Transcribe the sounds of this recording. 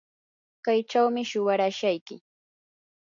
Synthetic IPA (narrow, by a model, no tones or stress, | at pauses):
kajt͡ʃawmɪʃʊwaɾaʃajkɪ